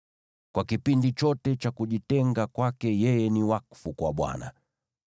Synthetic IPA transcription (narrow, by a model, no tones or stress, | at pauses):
kwakipindit͡ʃɔtɛt͡ʃakuʄitɛŋɡakwakɛjɛjɛniwakfukwaɓwa̰na̰